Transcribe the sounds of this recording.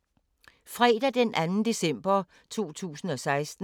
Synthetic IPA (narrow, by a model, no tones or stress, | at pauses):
fʁɛːd̥æd̥enʔænn̩d̥e̝sem̰b̥ɐ | t͡sʰo̝̰ːt͡sʰṵːsn̩ɒ̽sɑ̈ɪsd̥n̩